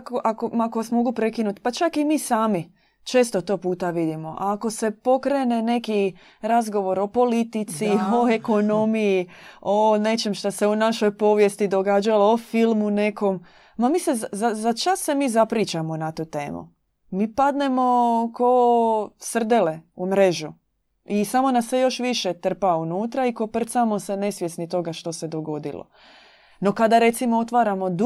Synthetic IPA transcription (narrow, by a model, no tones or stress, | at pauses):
koʔakomakoʋasmo̞ɡupɾe̞kinut̪pat͡ʃakimiːsaːmi | t͡ʃe̞ːst̪ot̪o̞puːt̪aʋid̪imo̞ʔaːko̞se̞po̞kɾeːne̞ne̞ki | ɾazɡo̞ʋo̞ɾo̞po̞lit̪it̪sio̞e̞ko̞no̞mijione̞t͡ʃemʃt̪ose̞unaʃo̞jpo̞ːʋje̞st̪id̪o̞ɡad͡ʒaloofilmune̞ko̞m | mamiːseazazat͡ʃasːe̞miːzapɾiːt͡ʃamo̞nat̪uːt̪e̞̰ːmṵ | miːpad̪ne̞mo̞kosr̩d̪ele̞umɾe̞ʒu | isamo̞nasːejo̞ʃʋiʃe̞t̪r̩paunuːt̪ɾaiko̞pr̩t̪samo̞se̞ne̞sʋjesnit̪o̞ɡaʃt̪o̞se̞d̪o̞ɡo̞d̪ḭlo̰ | no̞kad̪aɾe̞t̪simoot̪ʋaːɾamo̞d̪